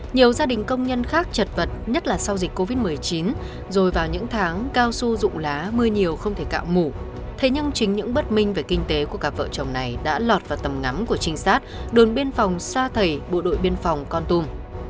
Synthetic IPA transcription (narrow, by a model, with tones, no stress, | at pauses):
ɲi˨˩əwzaː˧ɗï˨˩ŋ̟kə˧wŋ͡mɲə˧nxaː˦˥k̚t͡ɕə˨˩t̚və˨˩t̚ɲə˦˥t̚laː˨˩sa˧wzi˨˩k̟̚ko˧vi˦˥t̚mɨ˨˩ə˩jt͡ɕi˨˦n | zo˨˩jvaː˨˩wɲɨ̰˧˥ŋt̪ʰaː˨˦ŋkaː˧wsu˧zʊ̰˧˨ŋ͡mlaː˨˦mɨ˧əɲi˨˩əwxə˧wŋ͡mt̪ʰe˧˩ka̰ː˧˨wmu˧˩ | t̪ʰe˨˦ɲɨ˧ŋt͡ɕï˨˦ŋ̟ɲɨ̰˧˥ŋɓə˦˥t̚mï˧ŋ̟ve˨˩kï˧ŋ̟t̪e˨˦ku˧˩əkaː˨˩p̚və̰ː˧˨t͡ɕə˨˩wŋ͡mna˨˩jɗa̰ː˧˥lɔ˨˩t̚vaː˨˩wt̪ə˨˩mŋa˨˦mku˧˩ət͡ɕï˧ŋ̟saː˦˥t̚ɗo˨˩nɓi˧ənfɔ˨˩wŋ͡msaː˧t̪ʰə˨˩jɓo̰˧˨ɗo̰˧˨jɓi˧ənfɔ˨˩wŋ͡mkɔ˧nt̪u˧m